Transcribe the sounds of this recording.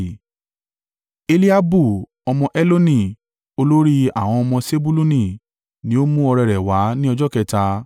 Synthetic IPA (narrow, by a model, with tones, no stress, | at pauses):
e˧li˦a˦bu˦˨ | ɔ˧mɔ̃˧ʔɛ˦lo˦nĩ˨ | o˧lo˦ɾi˦a̰˦˨w̃ɔ̃˧ɔ˧mɔ̃˧se˦bu˦lu˦nĩ˦˨ | nĩ˨˦o˦mũ˦ɔ˧ɾɛ˧ɾɛ˨wa˨˦nĩ˦ɔ˧d͡ʒɔ˦kɛ˧ta˧